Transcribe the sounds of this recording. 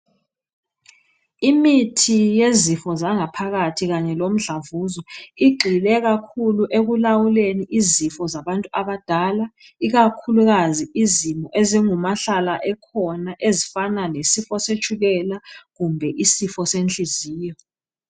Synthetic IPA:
imitʰijezifɔzaŋapʰaɣatʰiɣaɲɛlom̩ɮavuzɔiɡ͡ǃʱilɛɣakʰuluʔeɣulawuleniʔizifɔzaβantʼuaβad̥ʱaːla | iɣakʰuluɣaziizimɔʔeziŋumaɬalaʔɛkʰɔnaʔezifanalesifɔset͡ʃʰʼuɣɛlaɣumbʱɛʔisifɔsent͡ɬʼiziːjɔ

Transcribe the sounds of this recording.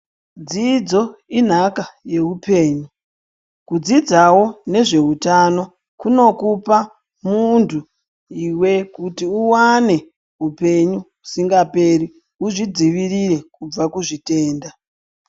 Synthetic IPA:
d͡zid͡zo̞in̤akaje̞upe̞ːɲu | kud͡zid͡zawo̞ne̞ʐe̞utano̞ | kuno̞kupa | muntʰu | iwe̞kutiuwane̞ | ɦupe̞ɲu | usiŋɡape̞ɾi | uʐid͡ziʋirire̞kub͡vakuʐite̞ːnda

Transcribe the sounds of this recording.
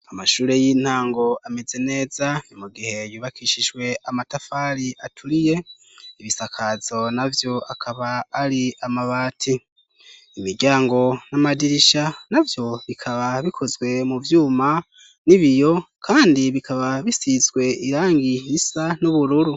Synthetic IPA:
amaʃuːɾe̞jin̥haːŋɡo̞ameze̞ne̞ːzaomuɡihe̞jiβakʰiʃiʒwe̞ʔamatafaɾiʔatʰuɾije̞ | iβisakʰazo̞navjo̞akʰaβaːɾiamaβaːtʰi | imiɾɟaːŋɡo̞namadiɾiʃanavjo̞βikʰaβaβikʰo̞zɡwe̞muvjuːma | niβijo̞ | kʰaːndiβikʰaβaβisizɡwe̞iɾaːŋɡiisanuβuɾuɾu

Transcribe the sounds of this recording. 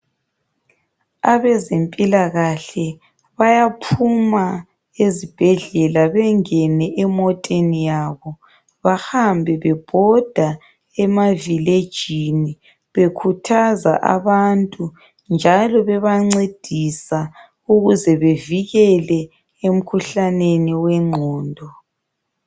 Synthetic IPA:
aβɛzempʼilaɣaɬɛ | βajapʰuma | ezib̥ʱɛɮɛlaβɛŋɛnɛʔɛmɔtʼenijaβɔ | βahambʱɛβɛb̥ʱɔd̥ʱa | ɛmaviled̥ʒ̥ʱini | βekʰutʰaza̰ʔa̰βantʼu | nd͡ʒʱalɔβɛβaŋ͡ǀed̥ʱisa | uɣuzɛβeviɣɛlɛ | em̩kʰuɬaneniwɛŋ͡ǃʱɔːndʱɔ

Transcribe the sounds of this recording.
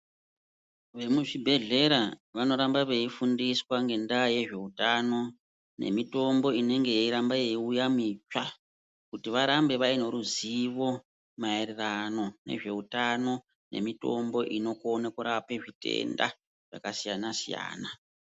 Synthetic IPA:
ʋe̞muʐibʱe̞ɮe̞ɾaʋano̞ɾambaʋe̞ifundiswaŋɡe̞ndaːje̞ʐe̞utano̞ | ne̞̰mito̞mbo̞ine̞ŋɡejeiɾambajeiujamit͡ʃa | kutiʋaɾambe̞ʋaino̞ɾuziʋo̞ | maererano̞ne̞̰ʐe̞utano̞ | ne̞̰mito̞̰mbo̞ʔino̞kuonekuɾape̞ʐite̞̰nda̰ | ʐ̥a̰kasijanasija̰ːna

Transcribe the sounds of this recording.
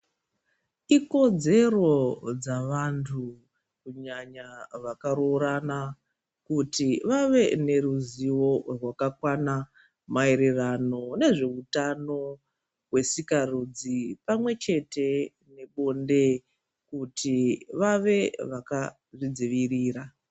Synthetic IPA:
iko̞d͡ze̞ro̞d͡zaʋantʰu | kuɲaɲaʋakaɾoɾana | kutiʋaʋe̞ne̞ɾuziwo̞rwakakwana | maiɾirano̞ne̞ʐe̞utano̞ | we̞sikarud͡zipamwe̞t͡ʃe̞te̞ | ne̞ɓo̞nde̞ | kutiʋaʋe̞ʋaka | ʐid͡ziʋiriːra

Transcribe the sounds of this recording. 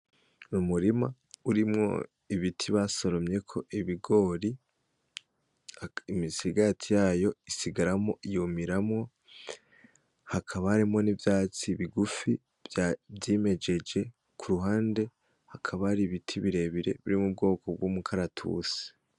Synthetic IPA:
umuɾima̰ | uɾimŋo̞̰ | iβitʰiβaso̞ɾo̞mɲe̞kʰo̞ʔiβiɡo̞ɾi | imisiɡatʰijaːjo̞isiɡaɾamo̞ʔijumiɾamŋo̞ | hakʰaβahaɾimŋo̞nivjaːt͡siβiɡufi | vjavjiːme̞d͡ʒe̞d͡ʒe̞ | kʰuɾuɦaːnde̞ | hakʰaβaɾiβitʰiβiɾe̞βiɾe̞̰βiɾimub̚ɡo̞ːkob̚ɡuːmukʰaɾatʰṵsi̥

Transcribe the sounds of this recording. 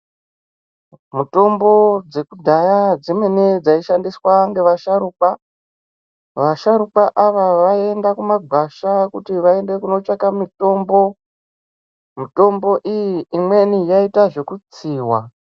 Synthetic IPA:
muto̞mbo̞d͡ze̞kudʱajad͡zimwe̞ned͡zaiʃandiswaŋɡe̞ʋaʃaɾuːpa | ʋaʃaɾupaʔaʋaʋae̞ndakumaɡʱwaʃakutiʋae̞nde̞kuno̞t͡ʃakamito̞mbo̞ | mito̞mbo̞ʔijiimwe̞nijaitaʐe̞kut͡siːwa

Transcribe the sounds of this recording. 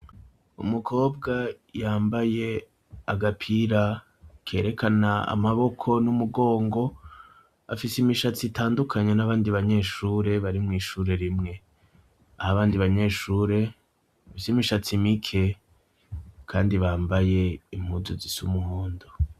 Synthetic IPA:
ṵmukʰo̞ːb̚ɡa | jaːmbaje̞ | aɡapʰiɾa | kʰe̞ːɾe̞kanaa̰maβo̞kʰo̞numuɡo̞ːŋɡo̞ | a̰fisimiʃat͡sitaːndukʰaɲe̞naβaːndiβaɲe̞ʃuːɾe̞βaɾimŋiːʃuːɾe̞ɾimŋe̞ | ahaβaːndiβaɲe̞ːʃuːɾe̞ | afisimiʃat͡simikʰe̞ | kʰaːndiβaːmbaje̞im̥huːzuzisumuhoːndo

